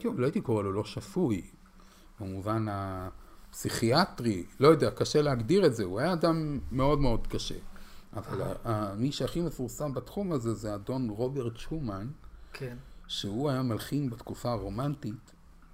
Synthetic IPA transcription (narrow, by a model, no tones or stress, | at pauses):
loait̪iko̞ʁelolo̞ʃafuj | bemuvanapsiχiatʁilo̞jodeakaʃe̞leaɡdiʁetze̞uajaːdamːe̞o̞dme̞o̞dkaʃe̞̰ʔavala̰amiʃeaχime̞fuʁsambat̪χumaze̞zeado̞nʁo̞be̞ʁtʃumankʃehuajamalχinbat̪kufaʁo̞mantit